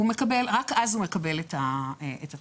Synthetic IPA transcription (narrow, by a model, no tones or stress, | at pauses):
ume̞kɐbe̞lʁakazhume̞kɐbe̞letaeta